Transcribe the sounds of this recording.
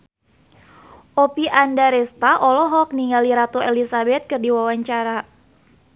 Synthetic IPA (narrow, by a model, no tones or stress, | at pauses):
ʔopiʔandaɾɛst̪aʔɔlɔɦɔk̚niŋaliɾat̪oelisabɛt̪̚kɨrdiwawaɲt͡ʃaɾa